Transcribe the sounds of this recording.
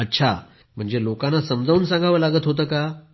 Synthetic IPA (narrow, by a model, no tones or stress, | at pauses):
ətːɕʰa̰ | m̤əɳd͡zelokãnːasəmd͡zʱauːnsãŋɡʱaʋəːlaɡət̪ɦot̪əːka